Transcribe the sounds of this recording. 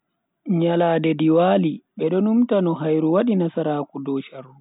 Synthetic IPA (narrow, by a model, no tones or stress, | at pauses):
ɲalaːdɛdiwaːliɓɛɗɔnumtanɔɦajɾuwaɗinasaɾaːkudɔːʃaru